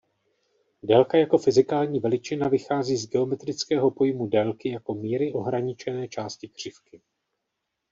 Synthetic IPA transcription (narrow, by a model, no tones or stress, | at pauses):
dɛlkajako̞fɪzɪkaːlɲiːvɛlɪt͡ʃɪnavɪxaːziːzɡɛo̞mɛt̪ɾɪt͡skɛːɦo̞po̞jmudɛlkɪjako̞miːɾɪʔo̞ɦɾaɲɪt͡ʃɛnɛːt͡ʃaːscɪkr̝̥ɪfkɪ